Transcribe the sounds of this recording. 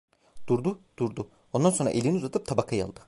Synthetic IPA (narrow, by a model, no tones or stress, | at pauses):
d̪̥uɾd̪ud̪̥uɾd̪u | o̞nd̪anso̞nɾa̰ʔelʲiniuzat̪ʰɯp̚t̪ʰabakʰajɯa̰lˠd̪ɯ